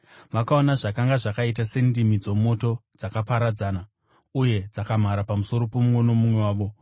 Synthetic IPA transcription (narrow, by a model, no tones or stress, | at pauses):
makao̞naʐakaŋɡaʐakait̬ase̞ndimid͡zo̞mo̞to̞d͡zakapaɾad͡zaːna | uje̞d͡zakam̤aɾapamuso̞ɾo̞pomuŋwo̞no̞mumwe̞waːʋo̞